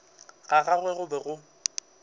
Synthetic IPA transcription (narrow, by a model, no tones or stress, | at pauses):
ɣaɣaɣwɛɣʊbɛɣʊ